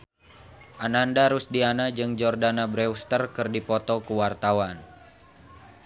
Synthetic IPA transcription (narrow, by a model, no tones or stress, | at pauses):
ʔanandaɾusdianad͡ʒɨŋd͡ʒɔrdanabɾɛust̪ərkɨrdipɔt̪ɔkuwart̪awan